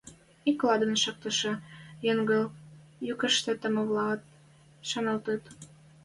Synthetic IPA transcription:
iklɑd̪ə̆nʃɤ̆k̚t̪ə̆ʃɤ̆jəŋɡɤ̆jykə̆ʃt̪ĕt̪ə̆mə̆βlɑt̪̚ | ʃɑnɑlt̪ət̪

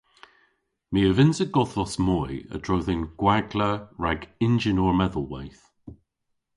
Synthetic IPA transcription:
miəvɪnsəɡɔðɔsmɔjə̰d̥ɹowðɪnɡ̥waɡləɹaɡɪnd͡ʒɪnɔːɹmɛðəlˠwa̰jθ

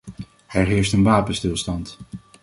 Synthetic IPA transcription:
ɛɹɦɪːɹstənʋaːpənstɪlˠstɑnt

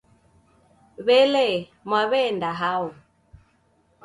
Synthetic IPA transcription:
βɛlɛmwaβɛndaɦau

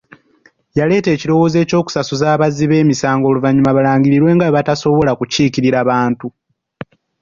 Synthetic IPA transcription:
jale̞ːte̞ːciɾo̞wo̞ːze̞ːco̞ːku̥sasuzaːβaziβe̞ːmisaːŋɡo̞ːluvaɲːumaβalaːɲɟiɾiɾwe̞ːŋɡaβataso̞βo̞lakuciːkiɾiɾaβaːntu

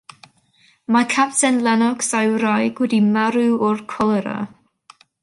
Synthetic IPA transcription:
makʰapsɛnlˠanɔɡsajwɾajɡwɛdimaɾɨɔrkʰɔlˠɛɾa̰

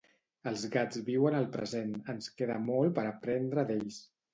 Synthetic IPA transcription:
əlˠzɣad͡zβiwənəlˠpɾə̰zenənskeðəmɔlˠpəɾəpɾɛnd̪ɾəðeʎs

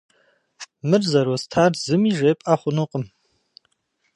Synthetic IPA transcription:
mɨrzɐɾostʰaːrzɨmiːʒepʼaːχʷʊnuqʼəm

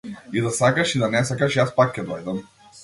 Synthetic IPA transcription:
id̪asakaʃid̪anɛsakaʃijaspakːɛd̪ɔjd̪am

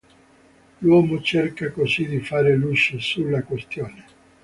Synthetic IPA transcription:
lwɔːmot͡ʃerkakosid̪ifaːɾelut͡ʃːesulːakwest̪joːne

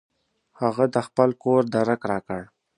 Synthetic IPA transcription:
haɣad̪əxpəlkoɾd̪aɾakɾɑkəɽ

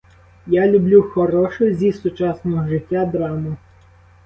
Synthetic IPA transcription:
jalʲʊblʲuxɔɾɔʃɔjzʲisʊt͡ʃɑsnɔɦɔʒɪtʲːad̪ɾɑmʊ

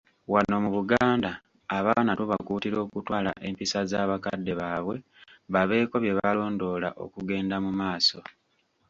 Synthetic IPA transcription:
wanːo̞muβuɡaːndaː | βaːnatuβakuːtiɾo̞ːkutwaːla̰ʔe̞mpisazaːβakadːe̞βaːβwe̞ | βaβe̞ːko̞βje̞βalo̞ːndo̞ːla̰ʔo̞̰kuɡe̞ːndamumaːso̞

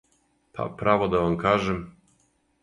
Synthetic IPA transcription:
pʰa̰pɾavɔd̪ɔvaŋkaʐɘm

